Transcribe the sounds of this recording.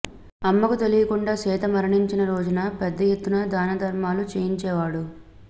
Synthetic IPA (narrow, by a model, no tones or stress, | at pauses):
ɐmːɐkut̪e̞lijɐkuɳɖaːsɛːt̪ɐmɐɾɐɳiɲt͡ʃinɐɾoːd͡ʒunɐpɛd̪ːɐjet̪ːunɐd̪aːnɐd̪ʱɐɾmaːlut͡ʃeːjiɲt͡ʃɛːʋaːɽu